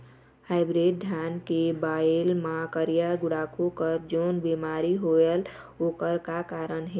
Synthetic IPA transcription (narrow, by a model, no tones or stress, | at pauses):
haɪbɾeɖ̚d̪ʱjankebaelmakəɾijaɡuɽakʰukəɾd͡ʒoːnbimaɾiɦoel | okəɾkakaɾənɦe